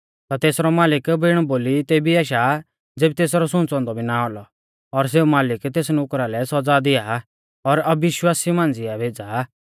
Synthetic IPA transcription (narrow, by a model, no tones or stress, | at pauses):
t̪at̪eːsɾɔmaːlɪkbɪːɽ̃ɔboːlit̪eːbiɛːʃ̬a | d͡zeːbit̪eːsɾɔsʊ̃ːnt͡sɔ̃ːnd̪ɔbʱinaɔlɔ | ɔɾs̬eːumaːlɪkt̪eːsnʊkɾalɛsɔd͡zad̪ɪja | ɔɾɐbɪʃwaːsimãːnd͡zɪabʱeːd͡zaː